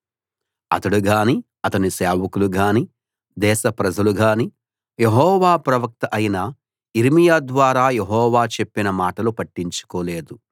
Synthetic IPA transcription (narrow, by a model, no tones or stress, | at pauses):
ɐ̰t̪ɐɽuɡaːni | ɐt̪ɐniseːʋɐkuluɡaːni | d̪ɛːʃɐpɾɐd͡ʒɐluɡaːni | jeɦɔːʋaːpɾɐʋɐk̚t̪ɐʔɐjnɐ | iɾimijaːd̪ʋaːɾaːjeɦɔːʋaːt͡ʃe̞pːinɐmaːʈɐlupɐʈːiɲt͡ʃu̥koːleːd̪u